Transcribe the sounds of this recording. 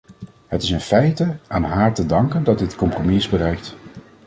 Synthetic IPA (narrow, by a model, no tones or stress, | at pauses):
ɦətɪsɪnfɛjtəaːnɦaːɹtədɑŋkəndɑd̚dɪtkɔmpromiɪzbərɛjk̚t